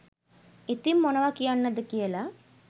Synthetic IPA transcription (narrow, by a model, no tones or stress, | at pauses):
it̪imːonəʋakijanːəd̪əkijəla